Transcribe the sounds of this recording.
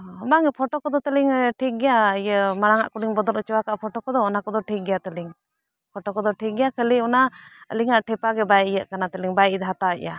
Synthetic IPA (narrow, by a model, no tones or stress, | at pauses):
ɔmaŋɛpʰɔʈɔkɔd̪ɔt̪əliŋʈʰik̚ɡɛjaəjəmaɾaŋa̰ʔkuɽiŋbɔd̪ɔlɔt͡ʃɔwakaʔpʰɔʈɔkɔd̪ɔːnakɔd̪ɔʈʰik̚ɡɛjat̪əliŋ | pʰɔʈɔkɔd̪ɔʈʰik̚ɡɛjakəliɔnaə̰liŋaʔʈʰɛpaɡɛbajijəʔkanat̪əliŋbajid̪ɦat̪aəʔja